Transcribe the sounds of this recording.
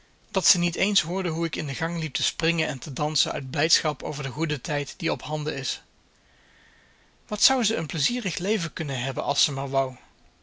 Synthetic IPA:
d̥ɑtsənitejnsɦʊːɹdəɦuɪkɪndəɣɑŋlip̚təsprɪŋənɛntədɑnsənœ̰ɥd̚blɛjtsχɑpo̰wvəɹdəχudətɛjtd̥iɔpɦɑndəɪs | ʋɑtsʌwzəənpləziːrəχlejvəkɵnənɦɛbənʔɑ̰lˠsəmaːɹʋɑw

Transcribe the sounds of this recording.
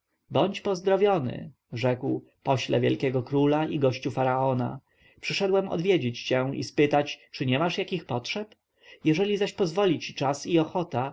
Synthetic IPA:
bɔɲt͡ɕpɔzd̪ɾɔvʲjɔnɘ̰ | ʐɛkw | pɔɕlɛ̰vʲjɛ̰lkʲɛɡɔkɾulaiɡɔɕt͡ɕufaɾaɔna̰ | pʂɘʂɛd̪wɛmɔ̰d̪vʲjed͡ʑet͡ɕt͡ɕɛḭspɘt̪at͡ɕt͡ʂɘɲɛmaʂjakʲixpɔtʂɛp | jɛʐɛlʲizaɕpɔzvɔlʲit͡ɕit͡ʂasiɔxɔt̪a

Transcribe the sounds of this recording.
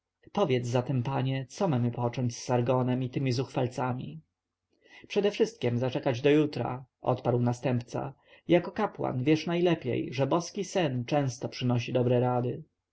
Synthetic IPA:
pɔvʲjɛd̪zzat̪ɛmpaɲɛt̪sɔmamɘpɔt͡ʂɔɲt͡ɕsːaɾɡɔnɛmit̪ɘmʲizuxfalt̪samʲḭ | pʂɛd̪ɛfʂɘst̪̚kʲɛmzat͡ʂɛkad͡ʑd̪ɔjut̪ɾa̰ʔɔ̰t̪paɾwnast̪ɛmpt̪sa̰ | jakɔkapwa̰nvʲjɛʂnajlɛpʲjɛ̰jʐɛbɔskʲisɛnt͡ʂɛ̃w̃st̪ɔpʂɘnɔɕid̪ɔbɾɛɾad̪ɘ

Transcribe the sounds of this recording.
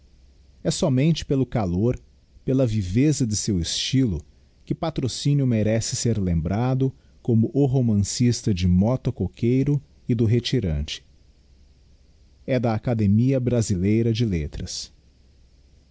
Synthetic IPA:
ɛsɔmẽnt͡ʃɪ̥pelʊkaloɾ | pelɐvivezɐd͡ʒ̪ɪsewɪst͡ʃilʊ | kɪpat̪ɾosĩnjʊmeɾɛsɪseɾlẽmbɾad̪ʊ | kõmʊʔʊɦomɐ̃sist̪ɐd͡ʒɪmɔt̪okokʰejɾʊ | ɪd̪ʊɦet͡ʃiɾɐ̃nt͡ʃɪ̥ | ɛd̪ɐːkad̪emiɐbɾazilejɾɐd͡ʒɪlet̪ɾɐs

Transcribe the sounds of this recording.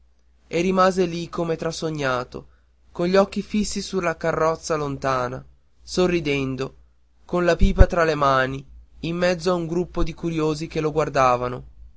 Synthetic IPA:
erimaːzelikomet̪ɾasːoɲːaːt̪o̰ | konʎiɔkːifisːisulːakarːɔt̪sːalont̪aːna̰ | sorːid̪ɛnd̪o | konlapiːpat̪ɾalemaːniːmːɛd̪zːoauŋɡɾupːod̪ikuɾjoːzikeloɡward̪aːvano

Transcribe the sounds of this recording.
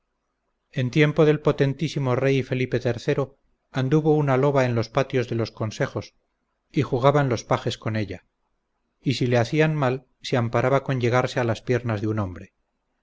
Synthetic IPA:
e̞nt̪je̞mpo̞ðe̞lpo̞t̪e̞nt̪isimo̞rejfe̞lipe̞t̪e̞ɾθe̞ɾo̞ | and̪uβo̞unalo̞βae̞nlo̞spat̪jo̞zðe̞lo̞skonse̞χo̞s | ixuɣ̞aβanlo̞spaxe̞sko̞ne̞ʎa | isileaθianmal | seampaɾaβako̞ɲʎe̞ɣ̞aɾse̞alaspje̞ɾnazðeuno̞mbɾe̞

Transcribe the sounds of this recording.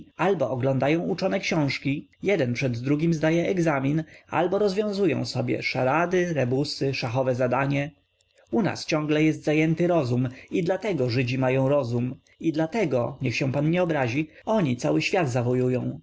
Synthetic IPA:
albɔʔɔɡlɔ̃nd̪ajɔ̃w̃ut͡ʂɔnɛkɕɔ̃w̃ʂkʲijɛd̪ɛnpʂɛd̪ːɾuɡʲimzd̪ajɛɛɡzamʲina̰lbɔɾɔzvʲjɔ̃w̃zujɔ̰̃w̃sɔbʲjɛ̰ʂaɾad̪ɘɾɛbusɘʂaxɔvɛzad̪aɲɛ | una̰st͡ɕɔ̃ŋɡlɛjɛs̬t̪zajɛnt̪ɘɾɔzumid̪lat̪ɛɡɔʐɘd͡ʑimajɔ̃w̃ɾɔzum | id̪lat̪ɛɡɔɲɛxɕɛ̃panɲɛɔbɾaʑiɔɲit̪sawɘɕfʲjad̪zavɔjujɔ̃w̃

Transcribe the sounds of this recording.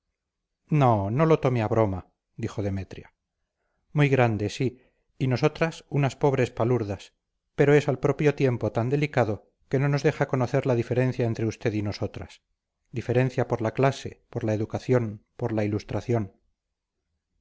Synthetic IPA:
nono̞lo̞t̪o̞meaβɾo̞ma | d̪ixo̞ðe̞me̞t̪ɾja | mujɣɾand̪e̞si | ino̞so̞t̪ɾasunaspo̞βɾe̞spaluɾðas | pe̞ɾo̞e̞salpɾo̞pjo̞t̪je̞mpo̞t̪and̪e̞likaðo̞ | ke̞no̞no̞zðe̞xako̞no̞θe̞ɾlaðife̞ɾẽ̞n̟θjae̞nt̪ɾeust̪e̞ðino̞so̞t̪ɾa̰s | d̪ife̞ɾe̞n̟θjapo̞ɾlaklase̞̰poɾlae̞ðukaθjo̞npoɾlailust̪ɾaθjo̞n

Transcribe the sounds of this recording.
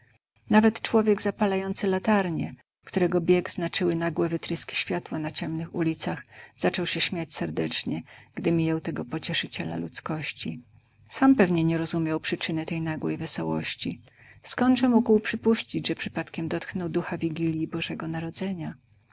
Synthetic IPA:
navɛt̪t͡ʂwɔvʲjɛɡzapalajɔnt̪sɘlat̪aɾɲɛ | kt̪uɾɛɡɔbʲjɛɡz̥nat͡ʂɘwɘnaɡwɛvɘt̪ɾɘskʲi̥ɕfʲjat̪wanat͡ɕɛmnɘxulʲit̪saxz̥at͡ʂɔwɕɛɕmʲjat͡ɕsɛɾd̪ɛt͡ʂɲɛɡ̥d̪ɘmʲijawt̪ɛɡɔpɔt͡ɕɛʂɘt͡ɕɛla̰lut̪skɔɕt͡ɕi | sampɛvɲɛɲɛɾɔzumʲjawpʂɘt͡ʂɘnɛt̪ɛjnaɡwɛ̰jvɛsɔwɔ̰ɕt͡ɕi | skɔnd̪ʐɛmuɡwpʂɘpuɕt͡ɕid͡ʑʐɛpʂɘ̥pat̪kʲɛmd̪ɔt̪knɔwd̪uxavʲiɡʲilʲjibɔʐɛɡɔnaɾɔd̪zɛɲa

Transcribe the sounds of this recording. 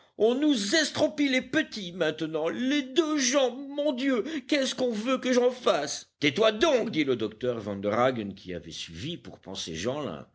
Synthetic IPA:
ɔ̃nuzɛst̪χɔpilepət̪imɛ̃t̪ənɑ̃led̪øʒɑ̃mɔ̃d̪jøkɛskɔ̃vøkəʒɑ̃fast̪ɛt̪wad̪ɔ̃kd̪iləd̪ɔk̚t̪œʁvɑ̃nd̪əʁaɡənkʲʰia̰vɛ̰sɥivipuʁpɑ̰̃sḛʒɑ̃lɛ̰̃

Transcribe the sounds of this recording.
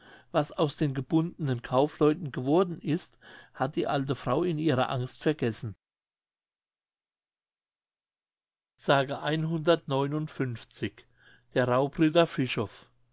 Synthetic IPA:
vasaʊsd̥eːnɡəb̥ʊndənənkʰaʊflɔʏtn̩ɡəvɔɐdn̩ɪsthat̚d̥iːʔaltəfʁ̥aʊɪniːʁɐ̰ʔaŋstfɛɐɡ̥ɛsn̩ | z̥aːɡəʔaɪnɦʊndɐtnɔʏnʊntfʏnft͡sɪç | d̥eːɐʁaʊpʁyːdɐfɪʃɔf

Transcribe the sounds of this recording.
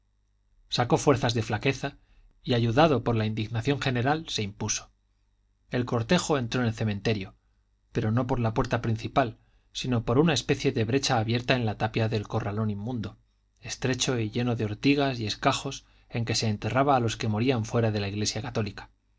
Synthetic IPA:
sako̞fwe̞ɾθazðe̞flake̞θa | iaʝuðaðo̞po̞ɾlaind̪iɣnaθjo̞ŋxe̞ne̞ɾalse̞impuso̥ | e̞lko̞ɾt̪e̞xo̞e̞nt̪ɾo̞enelθe̞mẽnt̪e̞ɾjo̞ | pe̞ɾo̞no̞po̞ɾlapwe̞ɾt̪apɾin̟θipal | sino̞po̞ɾunae̞spe̞θje̞ðe̞βɾe̞t͡ʃaːβje̞ɾt̪ae̞nlat̪apjaðe̞lko̞ralo̞nimːũnd̪o̞ | e̞st̪ɾe̞t͡ʃo̞iʎe̞no̞ðeo̞ɾt̪iɣ̞asie̞skaxo̞s | e̞ŋke̞se̞ːnt̪e̞raβaːlo̞ske̞mo̞ɾiaɱfwe̞ɾaðe̞laiɣle̞sjakat̪o̞likḁ

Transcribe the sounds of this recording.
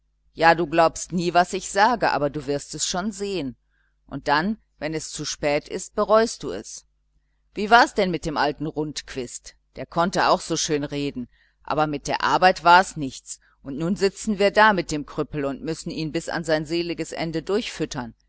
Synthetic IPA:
jaːduːɡlaʊpstniːvasɪçz̥aːɡəʔa̰ːbɐduːvɪɐstɛsʃoːnzeːən | ʔʊnt̚d̥an | vɛnɛst͡suʃpɛːtʰɪ̰st̚b̥əʁɔʏst̚d̥uːɛ̰s | viːvaːɐɛsd̥ɛnmɪt̚d̥eːmʔaltn̩ʁʊntkv̥ɪst | d̥eːɐkʰɔntəa̰ʊxz̥oːʃøːnʁeːdn̩ | ʔa̰ːbɐmɪt̚d̥eːɐʔa̰ɐbaɪtv̥aːɐɛsnɪçt͡s | ʔʊntnuːnzɪt͡sn̩viːɐdaːmɪt̚d̥eːmkʁ̥ʏpl̩ʊntmʏsn̩iːnbɪsa̰nzaɪnzeːlɪɡəsʔɛ̰ndədʊɐçfʏtʰɐn

